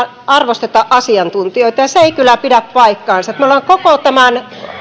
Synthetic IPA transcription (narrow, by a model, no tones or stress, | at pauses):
ɑrʋost̪et̪ɑʔʔɑsiɑnt̪unt̪ioit̪ɑjɑseeikylːˑæpidæppɑikːɑːnsɑjet̪mæolːɑŋkokot̪æmæn